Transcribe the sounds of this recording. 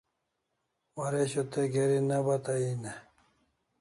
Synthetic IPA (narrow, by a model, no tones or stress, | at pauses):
wɐɾeɕot̪eɡeɾinɐbɐt̪aine